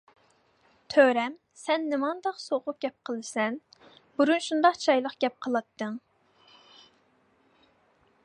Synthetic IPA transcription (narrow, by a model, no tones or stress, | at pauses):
t̪ʰøɾɛm | sɛnːɪmɑnd̪ɑqsoʁʊq̚ɡ̥ʲɛp̚qʰəlˠɨsɛnbuɾunʃund̪ɑqt͡ʃʰɑjlˠəqɡ̥ʲɛp̚qʰəlˠɑt̪ʰːɨŋ